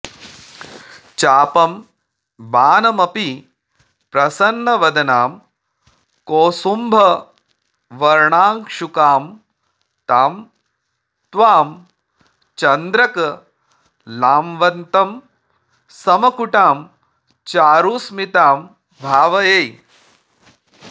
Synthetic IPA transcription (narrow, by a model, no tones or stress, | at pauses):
t͡ʃaːpɐm | baːnɐmɐpi | pɾɐsɐnːɐʋɐd̪ɐnaːm | koːsumbʱɐ | ʋɐɾɳaːŋkʂukaːm | t̪aːm | t̪ʋaːm | t͡ʃɐnd̪ɾɐkɐ | laːmʋɐnt̪ɐm | sɐmɐkuʈaːm | t͡ʃaːɾuːsmit̪aːm | bʱaːʋɐjeːj